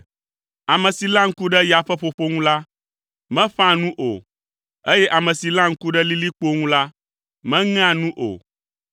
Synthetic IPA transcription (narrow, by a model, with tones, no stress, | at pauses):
a˨mɛ̃˨si˨lã˦ŋ̩˦ku˦ɖɛ˦ja˨ɸɛ˦ɸo˨ɸo˦ŋũ˦la˦ | mɛ̃˦ɸã˦nũ˦ʔo̰˨ | e˦jɛ˦ʔa˨mɛ̃˨si˨lã˦ŋ̩˦ku˦ɖɛ˦li˦li˦k͡po˦ŋũ˦la˦ | mɛ̃˦ŋ̃˦ã˦nũ˦ʔo̰˨